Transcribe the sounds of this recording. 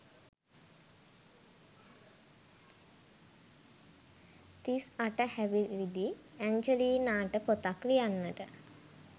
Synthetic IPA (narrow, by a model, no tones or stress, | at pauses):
t̪isaʈəhæʋilid̪iæɲd͡ʒəliːnaːʈəpot̪aklijanːəʈə